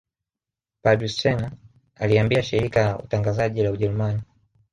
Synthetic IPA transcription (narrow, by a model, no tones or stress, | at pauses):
padɾist͡ʃɛna | aliambiaʃiɾikajaṵtaŋɡazaʄilauʄɛɾumani